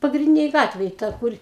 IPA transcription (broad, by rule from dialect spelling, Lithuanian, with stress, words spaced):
pɐɡrʲɪnʲˈdʲɪnʲeːj ˈɡɑːtʲʋʲeːj ˈtɐ ˈkʊr